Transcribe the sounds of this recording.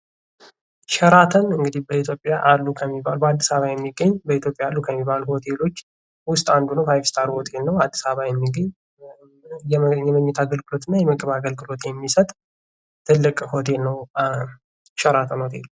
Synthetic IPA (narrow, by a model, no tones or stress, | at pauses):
ʃɛɾat̪ʰənɨŋɡɨd̪ihbəit̪ʰjopʼːjaʔalːukʰəmːibalubəad̪ːisaβajɛmːiɡːəɲːbəit̪jo̞pʼjaalːukʰəmːibaluho̞t̪ʰe̞lo̞t͡ʃː | wʊst̪ʼand̪unəwfajfst̪ʰaɾho̞t̪ʰe̞lnəwad̪ːisaβajɛmːiɡəɲː | jjɛməɲːɛt̪ʰaɡəlɡɨlo̞t̪ʰɨnːajɛməkʼβaɡəlɡɨlo̞t̪jɛmːisət̪ʼ | t̪ʰɨlːɨkʼho̞t̪ʰe̞lnəw | ʃɛɾat̪ʰənho̞t̪ʰe̞̰lu